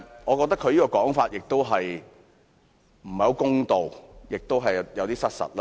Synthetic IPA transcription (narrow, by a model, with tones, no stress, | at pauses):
ŋɔ˨˧kɔː˧k̚t̪ɐ˥kʰːɵ˨˧ɥjiː˥kɔː˧kɔː˨˥ŋfaː˧t̚jɪ˨k̚t̪o˥wɦɐ˨j | m̩˨˩hɐ˨˧wkʊ˥ŋt̪o˨wjɪ˨k̚t̪o˥wɦɐ˨jjɐ˨˧wt̪iː˥sɐ˥t̚sɐ̰˨t̚laː˦